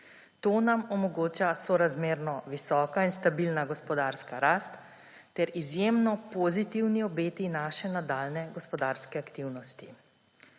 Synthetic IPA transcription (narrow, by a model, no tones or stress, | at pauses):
t̪oːnamɔmɔɡoːt͡ʃasɔɾazmeːɾnɔʋisɔːkainst̪abilnaɡɔspɔd̪aːɾskaɾast̪ː | ɛɾizjeːmnɔpɔzit̪iwniɔbeːt̪inaːʃɛnad̪aːlnɛɡɔspɔd̪aːɾskɛakt̪iwnɔst̪i